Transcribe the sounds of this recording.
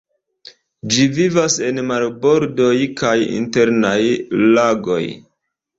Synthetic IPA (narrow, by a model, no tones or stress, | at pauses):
d͡ʒivivase̞nmalbo̞ɾdo̞jkajḭnte̞ɾnajlaɡo̞̰j